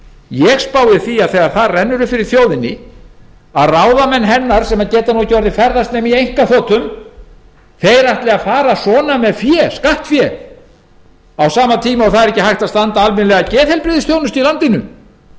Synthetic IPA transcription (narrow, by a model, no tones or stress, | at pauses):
jɛɣspaːwɪθiaðθɛːɣaɾθaðrɛnːʏɾʏfɪɾɪɾ̥θjoːwðɪnɪ | aðraːwðamɛnɦɛnːaɾ̥sɛmaðcɛːt̪anucɔɾðɪfɛɾðast̪nɛːmiejŋ̥kaθɔːt̪ʏm | θejɾaht̪lɛɣafaːɾasɔːnamɛðfjɛ̥skaht̪fjɛ | awsaːmat̪ʰiːmaawθaðɛɾɛhcɪhajht̪aðst̪ant̪aalmɪnlɛɣacɛːðhɛlpɾɪðɪsθjoːwnʏst̪ilant̪ɪnʏ̰